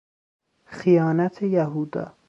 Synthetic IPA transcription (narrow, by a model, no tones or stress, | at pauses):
xijɒːnæt̪ʰejæɦuːd̪ɒ̰ː